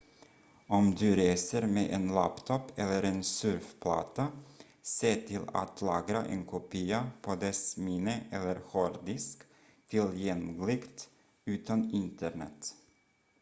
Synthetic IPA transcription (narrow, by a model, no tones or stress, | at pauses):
ɔmd̪ʉːɾeːsəɾmeːʔeːnla̰pt̪ʰɔpʰɛlːəɾeːnsʉɾfpʰlɑ̰ːt̪a | seːt̪ʰɪla̰t̪ʰlɑːɡɾaʔeːnkʰʊpʰiːapʰoːd̪ɛsmiːnəʔɛlːəɾhoːɾd̪ɪsk | t̪ʰɪljɛŋlɪɡt̪ | ʉːt̪ʰɑnɪnt̪əɳɛ̰t̪